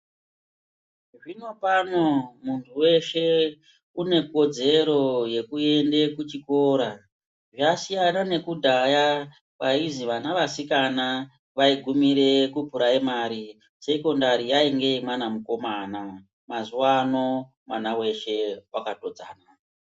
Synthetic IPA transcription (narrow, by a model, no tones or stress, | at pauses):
ʐino̞pano̞muntʰuwe̞ʃe̞ | une̞ko̞d͡ze̞ɾo̞je̞kue̞nde̞kut͡ʃiko̞ɾa | ʐasijanane̞kudʱaja | ʋaiziʋanaʋasikana | ʋaiɡʱumiɾe̞kupuɾaimaːɾi | se̞ko̞ndaɾijaiŋɡe̞imanamuko̞maːna | mazuwano̞ | mwanawe̞ʃe̞wakato̞d͡za̰ːna